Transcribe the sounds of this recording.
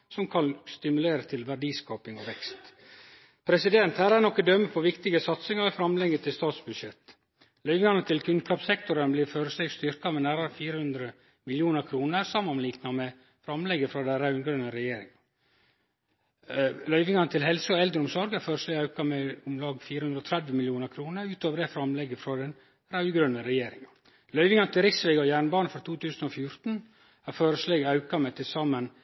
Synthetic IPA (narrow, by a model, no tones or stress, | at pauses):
sɔmkʰɑnst̪ɪmʉleːɾət̪ʰɪlʋæɖiːskɑːpɪŋɔʋɛkst̪ | pʰɾɛsɪd̪ɛnt̪hæːɾænɔkːəd̪œmːəpʰɔʋɪkt̪ɪɡəsɑt̪sɪŋɑɛfɾɑmlɛɡət̪ʰɪlst̪ɑːt̪sbʉd̪ʂɛt̪ː | lœʏʋɪŋɑnət̪ʰɪlkʰʉnkɑːpsɛkt̪ʊɾənbliːɾføːɾəsɛɡst̪ʏɾkɑmɛnæːɾɑɾəfiːɾəhʉnd̪ɾə | mɪljuːnəɾkʰɾuːnəɾsɑmːɑnliːknɑmɛ | fɾɑmlɛɡəfɾɑd̪æɪɾæʉnɡɾœnəɾɛjeːɾɪŋɑ | lœʏʋɪŋɑnət̪ʰɪlhɛlsəɔɛld̪ɾəʊmsɔɾɡæɾføːɾəsleːɡɑʉkɑmɛʊmlɑːɡfiːɾəhʉnd̪ɾɔːt̪ʰɾɛd̪ʋəmɪljuːnəɾkʰɾuːnəɾʉːt̪oːʋəɾd̪ɛfɾɑmlɛɡːəfɾɑd̪ɛn | ɾɑʉɡɾœnəɾɛjeːɾɪŋɑ | lœʏʋɪŋɑnət̪ɪlɾɪksʋeːɡɔjæːɳbɑːnəfɔɾt̪ʰuːt̪ʉːsən̩ofjʊɾt̪n̩ | æɾføːɾəsleːɡɑʉkɑmɛt̪ʰɪlsɑmən